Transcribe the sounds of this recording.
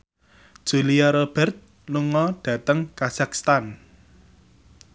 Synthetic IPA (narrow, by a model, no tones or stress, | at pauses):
d̥ʒ̥ṳliaɾob̥ɛ̤rt̪̚ | luŋɔɖ̥ä̤t̪əŋkasakst̪an